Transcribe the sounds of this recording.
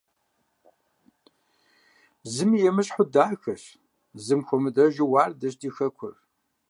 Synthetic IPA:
zɨmjɛmɨɕħʊdaːxɐɕ | zɨmxʷʊmɨdɐʒɪwaːrdɐɕdiːxɐkʷʰʊ̰r

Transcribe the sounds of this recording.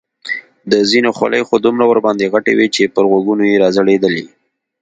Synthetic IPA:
d̪əzinoxwa̰lə̰jxod̪umɾawəɾbɑnd̪eɣaʈḛwit͡ʃepəɾɣwaɡunojeɾɑzəɽed̪əli

